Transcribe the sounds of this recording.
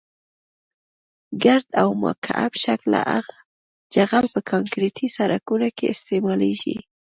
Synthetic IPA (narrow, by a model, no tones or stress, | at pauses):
ɡaɾd̪awma̰kʰaabʃakla̰ʔaɣa | d͡ʒaɣalpəkʰɑŋkɾet̪ʰisaɾakunokeɪst̪emɑleʒḭ